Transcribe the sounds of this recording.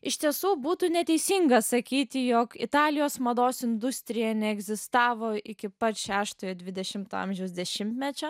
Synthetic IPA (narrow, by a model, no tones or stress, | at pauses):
ɪʃʲt̪ʲiɛsuːbuːt̪unʲɛt̪ʲɛɪsʲiŋɡɐsɐkʲiːt̪ʲɪjoːkɪ̰t̪ɑːlʲɪjoːsmɐd̪oːsɪnd̪ʊsʲt̪ʲɾʲɪjɛnʲɛɛɡzʲɪst̪ɑːʋoːɪkʲɪpɐt̪ʃʲæːʃt̪oːjod̪ʲʋʲɪd̪ʲɛʃʲɪmt̪oɑ̰mʲʒʲɛʊsd̪ʲɛʃʲɪmʲt̪ʲmʲɛt͡ʃʲo